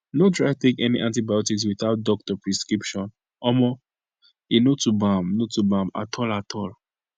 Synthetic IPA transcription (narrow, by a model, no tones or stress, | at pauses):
notɹaɪtekɛniʔãntibajɔtikswiθaʊt̚dɔk̚tɔpɹɛskɹipʃɔ̃n | ɔmɔ | inotubãmnotubãma̰tʰɔlatʰɔl